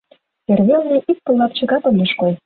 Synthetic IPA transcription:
erβelnʲeʔik̚pɤ̆lːɑp̚t͡ɕɤ̆ɣɑk̪ŏmeʃkoj

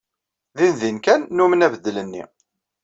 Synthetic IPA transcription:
ðinðinkænːumənævəd̪ːlənːḭ

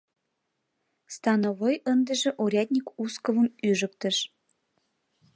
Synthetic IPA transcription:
st̪ɑnovojənd̪ə̆ʒĕʔoɾʲad̪ʲnʲikuskəvəmyʒək̚t̪ə̆ʃ

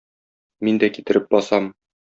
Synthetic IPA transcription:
mind̪ækit̪ɘ̆ɾɘp̚bɒsɑm

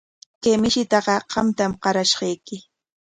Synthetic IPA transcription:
kemɪʃɪt̪ɑɢɑɢ̥ɑmt̪amqɑɾaʃɢɑjkɪ

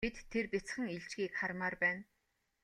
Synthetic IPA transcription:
it̪ʰːerpʲit͡sχə̆ŋiɮt͡ɕɡiːkχarmaːrpæːn

